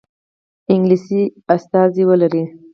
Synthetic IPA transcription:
ɪŋɡlisiast̪ɑziwəlaɾi

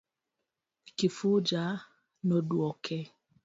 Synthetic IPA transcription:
kifud͡ʒa | nɔdwɔkʰɛ

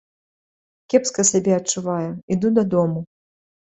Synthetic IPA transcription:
kʲɛpskɐsʲabʲɛɐt͡ʂːuvajuid̪ud̪ɐd̪ɔmu

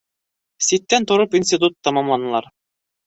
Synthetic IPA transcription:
sit̪ːænt̪ŏɾopinsʲt̪ʲɪt̪̬ut̪ːɑmɑmlˠɑnɤ̆lˠɑɾ

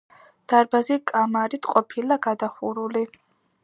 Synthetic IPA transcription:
d̪̥aɾbazikʼamaɾit̪ʼqʼɔpʰilaɡad̪aχuɾuli

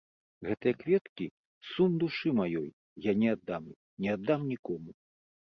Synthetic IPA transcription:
ɣɛt̪ɐjɐkvʲɛt̪kʲi | sumd̪uʂɨmajɔj | janʲɛad̪ːam | nʲɛad̪ːamnʲikɔmu

